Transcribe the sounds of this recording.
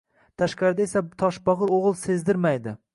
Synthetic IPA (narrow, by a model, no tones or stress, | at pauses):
t̪ʰaʃqɑɾɪd̪aesat̪ʰɒʃbɒʁɨɾoʁɨlˠse̞zd̪ɪɾmajd̪ɪ